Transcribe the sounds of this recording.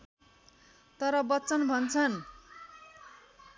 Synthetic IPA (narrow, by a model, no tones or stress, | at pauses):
t̪ʌɾʌbʌtt͡sʌnbʱʌnt͡sʰʌn